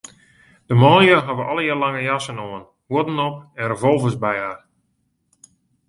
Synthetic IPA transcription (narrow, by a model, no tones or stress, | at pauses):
d̥əmɔljəɦaʋəʔɔlˠəjarlaŋəjasənoən | woədnɔpɛnrəvɔlˠvəsbɛjaːr